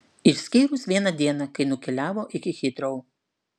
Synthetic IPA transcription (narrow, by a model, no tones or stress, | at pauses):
ɪʃsʲkʲiːɾʊsʋʲiɛnɐd̪ʲiɛnɑkɐɪnʊkʲɛlʲæːʋoːʔɪkʲɪxʲɪt̪ʲɾʲoʊ